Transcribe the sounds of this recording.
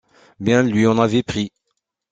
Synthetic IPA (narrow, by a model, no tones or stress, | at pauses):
bjɛ̃lɥiɔ̃navɛpχi